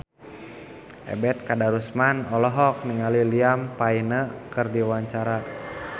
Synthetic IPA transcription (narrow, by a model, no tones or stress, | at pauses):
ʔɛ̰bɛt̪̚kadaɾusmanɔlɔɦɔk̚niŋaliliampainəkərdiwaɲt͡ʃaɾa